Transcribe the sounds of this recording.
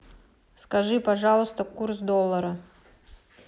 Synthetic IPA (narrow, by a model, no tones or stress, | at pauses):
skɐʐɨpɐʐɑlˠəst̪əkursd̪olˠːəɾə